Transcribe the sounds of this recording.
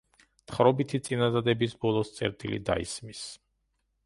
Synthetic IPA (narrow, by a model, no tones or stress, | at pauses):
t̪χɾɔbit̪ʰit̪sʼinad̪ad̪ɛbisbɔlˠɔst̪sʼɛ̰ɾt̪ʼilḭd̪a̰ḭsmis